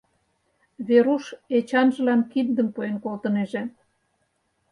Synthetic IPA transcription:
βeɾuʃet͡ɕɑnʒə̆lɑmkind̪ə̆mpoenkolt̪ɤ̆neʒĕ

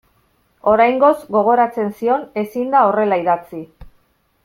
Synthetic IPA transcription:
o̞ɾajŋɡo̞zɡo̞ɣ̞o̞ɾat͡se̞nsio̞ne̞sind̪ao̞re̞laiðat͡si

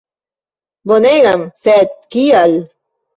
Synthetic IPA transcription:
boneɡamfet̪̚kial

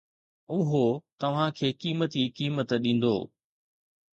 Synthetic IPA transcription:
ʊɦot̪ɐʋ̤ãkʰeːkiːmət̪ikiːmət̪ɗĩːn̆d̪o̰ː

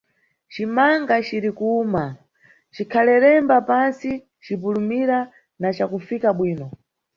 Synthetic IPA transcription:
t͡ʃimaŋɡat͡ʃiɾikuːma | t͡ʃikʰalɛɾɛmbapansi | t͡ʃipulumiɾa | nat͡ʃakufikaɓwiːnɔ

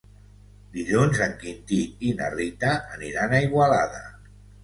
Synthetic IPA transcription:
d̪iʎunzəŋkint̪iina̰rit̪aːniɾanaiɣwalaða

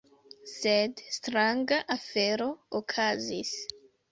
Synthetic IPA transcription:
sedstɾaŋɡaʔafe̞ɾookʰazis

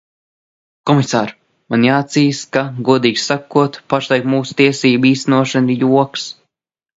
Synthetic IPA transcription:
kɔmisaːɾ | manjaːt̪ziːskaɡuɔd̪iːɡʲsakuɔt̪paʃlˠajkmuːsu̥t̪iɛsiːbiːst̪ænuɔʃanijuɔks

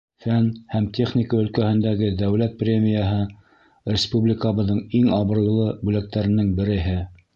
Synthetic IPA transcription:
fænhæmt̪ʲeχnʲɪkəɵ̆lkæhɘ̆nd̪æɡɘd̪æwlæt̪̚prʲemʲijaɦɤ | rʲɪspublʲɪkaβɤ̆ðːɤɴiŋɑβɤ̆ɾɤ̆lˠɤbʉlæk̚t̪æɾɘ̆nɘŋbɘ̆ɾɘ̆ɦɘ

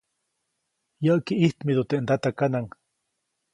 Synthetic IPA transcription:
jaʔkiʔiht̪mid̪ut̪eʔnd̪at̪akanaŋ

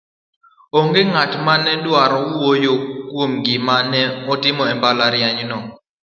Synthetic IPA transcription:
oŋɡeŋatmanɛdwaɾɔwojokwomɡɪmanɛɔtɪmɔɛmbalaɾjaɲnɔ

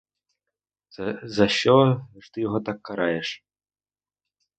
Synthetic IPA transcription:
zɐɕɔʐt̪ɨjɔɣɔt̪akːaɾajɛʂ

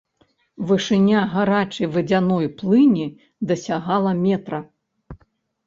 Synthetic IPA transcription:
vɨʂɨnʲaɣaɾat͡ʂɨjvɨd͡zʲanɔjplˠɨnʲi | d̪ɐsʲaɣalˠɐmʲɛt̪ɾɐ

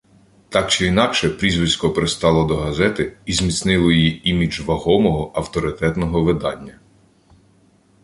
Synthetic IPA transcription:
t̪ɑk̚t͡ʃɪinɑkʃɛpɾʲizʋɪsʲkɔpeɾest̪ɑlˠɔd̪ɔɦɐzɛt̪ɪizʲmʲit̪snɪlˠɔjijiimʲid͡ʒʋɐɦɔmɔɦɔʔɐwt̪ɔɾɪt̪ɛt̪nɔɦɔʋɪd̪ɑnʲːɐ

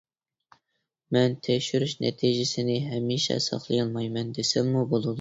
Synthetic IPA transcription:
mɛnt̪ʰekʃyɾyʃnɛ̰t̪ʰiʒɪsɪnɪɦɛmiʃɛ̰sɑ̰χlˠɨjɑlˠmɑjmɛnd̪esɪmmubolˠud̪u

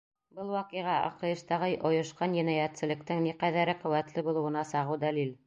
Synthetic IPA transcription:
bɤlˠwɑqijʁɑʔɑ̰qɤ̆jɤ̆ʃt̪ɑʁɤjʔŏjɤ̆ʃqɑnjɘ̆næjæt̪sɘ̆lɘ̆kt̪ɘŋniqæðæɾɘqɵ̆wæt̪lɘbulˠɤ̆wɤ̆nɑsɑʁɤwd̪ælil

